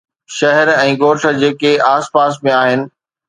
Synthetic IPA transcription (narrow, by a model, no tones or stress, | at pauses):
ʃɐɦɛɾɛ̃ːɡoːɾʃə̆d͡ʑeːkeaːspaːs̬mẽaːɦɪnɪ̆